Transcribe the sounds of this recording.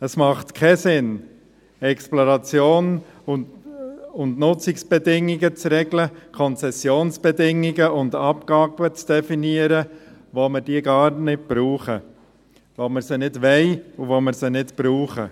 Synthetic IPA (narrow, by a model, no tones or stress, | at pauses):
əsmɑχt̪kʰɛsɪn | ɛksploɾɑt͡sjoːn | ʊndnʊt͡sɪksb̥ɛdɪŋːiɡət͡sɾɛɡləkʰɔnt͡sɛsjoːnsb̥ɛdɪŋːiɡəʊndɑpɡɑːb̥ət͡sd̥ɛfiniəɾəʋoməɾd̥iːəɡɑːɾnɪt̚b̥ɾuːχə | ʋoməɾsənɪdʋɛɪuvoməɾsənɪtb̥ɾuːχə